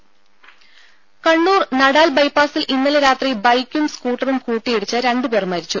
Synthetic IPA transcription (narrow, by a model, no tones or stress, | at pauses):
kɐɳːuːrnɐɽaːlbɐjpːaːsilʔinːɐlɐɾaːt̪ribɐjkʲːumskuːʈːɐrumkuːʈːijiɽut͡ɕːɐɾe̞ɳɖupe̞ːrmɐɾit͡ɕːu